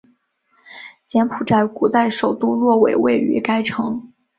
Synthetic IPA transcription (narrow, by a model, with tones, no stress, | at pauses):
t͡ɕjɛ˧˥npʰu˨˩ʈ͡ʂa˥˩ɪku˨˩t̪a˥˩ɪʂo˨˩ʊt̪u˥lwɔ˥˩we˨˩ɪwe˥˩ɪy̰˧˥ka˥ɪʈ͡ʂʰɤ˧˥ŋ